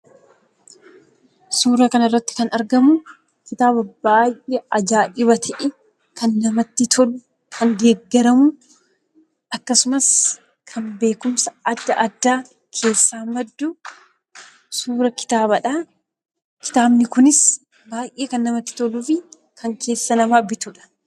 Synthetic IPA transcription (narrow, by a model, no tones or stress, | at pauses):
suːɾɐkɐnɪrːɐt̪ːɪ̥kɐnɐɾɡɐmʊ | kɪt̪aːbɐbaːjʔɛʔɐd͡ʒaːᶑɪβɐt̪ʰɐʔɛ | kʰɐnːɐmɐt̪ːɪt̪ʰɔl | kʰɐnd̪e̞ːɡːɛɾɐmʊ | ʔɐkːɐsʊmɐs | kʰɐnbe̞ːkʊmsɐɐd̪ːɐʔɐd̪ːaː | kʰe̞ːsːaːmɐd̪ːʊ | suːɾɐkɪ̥t̪aːβɐᶑɐ | kɪ̥t̪aːbnɪkʊnɪs | baːjʔeːkɐnːɐmɐt̪ːɪ̥t̪ɔlʊfɪ | kʰɐŋkʰe̞ːsːɐnɐmaːbɪt̪ʊᶑɐ̥